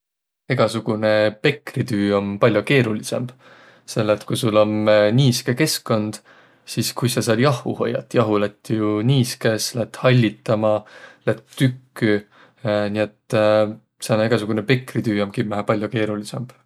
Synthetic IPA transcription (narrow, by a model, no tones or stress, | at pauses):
e̞ɡ̥ɑsuɡ̥une̞pe̞krit̪yːompɑlʲjoke̞ːɾulise̞mb̥ | se̞lːet̪kujsulo̞mniːskeke̞skkːo̞nd̪̥ | siskujsɑsɑːd̪jɑhˑṵho̞̰jːɑ̰t̪ːˑjɑɦulæt̪ːˑjuniːskeslæt̪ːˑhɑlʲːit̪ːˑɑmɑlæt̪ːykːy | nie̞t̪ː | sɑnɑeɡ̥ɑsuɡ̥unepe̞krit̪yːomkimæɦæpɑlʲjoke̞ːɾulise̞mb̥